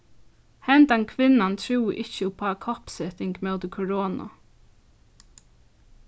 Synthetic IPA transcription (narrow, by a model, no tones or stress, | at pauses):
hɛnt̪ankʰʋɪnːant̪ʰɹuːʔɪht͡ʃəpʰaːkʰɔhpsɛt̪ɪŋkmɛwt̪ɪkʰɔɹɔːna̰